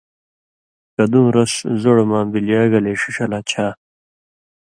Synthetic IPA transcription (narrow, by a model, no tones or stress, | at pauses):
kɐd̪ũːɾɐszoɽomãːmbilijaːɡɐleːʂiʂɐlaːt͡ɕʰaː